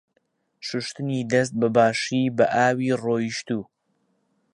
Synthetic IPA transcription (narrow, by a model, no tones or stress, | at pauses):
ʃʊʃt̪ɨnid̪ɐs̬t̪̚bɐbaːʃiːbɐʔaːwiːroːjiʃt̪uː